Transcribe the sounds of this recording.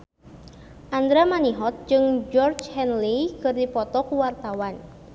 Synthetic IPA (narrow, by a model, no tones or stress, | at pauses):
ʔand̪ɾamaniɦɔt̪̚d͡ʒɨŋd͡ʒɔrd͡ʒhɛnlikɨrdipɔt̪ɔkuwart̪awan